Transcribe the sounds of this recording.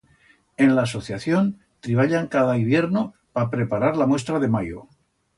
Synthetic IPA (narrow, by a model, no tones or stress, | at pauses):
e̞nlaːso̞θjaθjo̞n | t̪ɾiβaʎaŋkaðaiβ̞je̞ɾno̞ | papɾe̞paɾaɾlamwe̞st̪ɾaðe̞majo̰